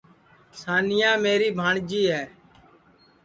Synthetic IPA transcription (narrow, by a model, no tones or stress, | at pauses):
saːnɪjãːmeːɾiːbʱãːɳd͡ʒiːɦɛː